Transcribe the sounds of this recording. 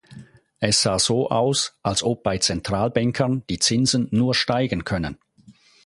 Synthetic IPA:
ʔɛsz̥aːz̥oːʔaʊsʔalsʔɔp̚b̥aɪt͡sɛntʁ̥aːlbɛŋkʰənd̥iːt͡sɪnzənːuːɐʃtaɪɡən̩kʰœnə̰n

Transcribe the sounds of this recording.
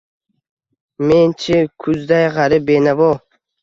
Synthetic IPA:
ment͡ʃʰɪkʰʊzd̪ajʁaɾɪbenavɔ

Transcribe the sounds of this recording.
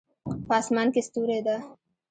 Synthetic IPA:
pɑsmɑnkest̪uɾed̪a

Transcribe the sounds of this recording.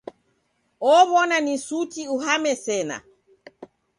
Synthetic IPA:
ɔβɔnanisutiuɦamɛsɛna̰

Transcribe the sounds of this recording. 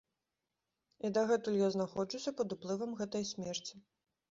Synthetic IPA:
id̪ɐɣɛt̪ulʲjaznaxɔt͡ʂusʲɐpɐd̪uplˠɨvɐmɣɛt̪ɐjsʲmʲɛrt͡sʲi̥

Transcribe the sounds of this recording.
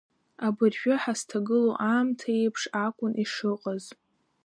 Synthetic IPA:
abɨrʒᶣʊħastʰaɡɨloʔaːmtʰaejpʰʂakʷʼʊnʔiʂɨqʼaz

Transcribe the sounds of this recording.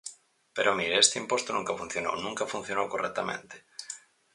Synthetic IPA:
peɾʔoamiɾeest̪eimpost̪onũŋkafun̟θjono̰wnũŋkafun̟θjonowkorɛk̚t̪amḛ̃nt̪e̥

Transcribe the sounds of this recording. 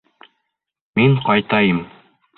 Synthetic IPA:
miŋqɑjt̪ɑjɤm

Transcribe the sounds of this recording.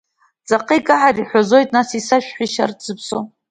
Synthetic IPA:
t͡sʼaqʼijkʼaʕariħʷazo̞jtʼnasisaʃᶣħʷiʃartz̥ɨpʰso̰

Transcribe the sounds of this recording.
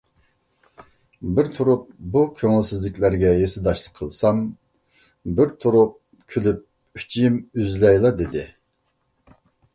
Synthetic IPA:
bɪɾt̪ʰuɾup̚bukʲʰøŋlsɪzlɪkʲlæɾɡʲɛjesɪd̪ɑʃlˠəqʰːəlˠsɑm | bɪɾt̪ʰuɾup̚ | kʲʰølyp̚ | y̥t͡ʃʰiimyzlɛjlˠɑd̪ɪd̪ɪ

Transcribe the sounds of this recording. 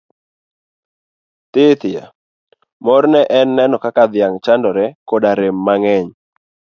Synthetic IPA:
t̪ɪt̪ɪja̰ | mɔɾnɛʔɛnːɛnɔkakad̪ɪjaŋt͡ʃandɔɾɛkodaɾemːaŋɛɲ

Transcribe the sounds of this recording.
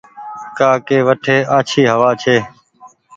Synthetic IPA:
kaːkeːʋəʈʰeːʔaːt͡ʃʰiːɦəʋaːt͡ʃʰeː

